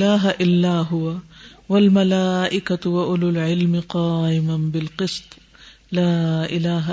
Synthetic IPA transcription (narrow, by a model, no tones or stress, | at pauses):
laːɦaʔɪlːaːɦʊwawalmalaːʔɪkawaʔʊlʊlʕɪlmqɑːʔɪmabɪlqɨsˤt̪ˤ | laːʔɪlaːɦa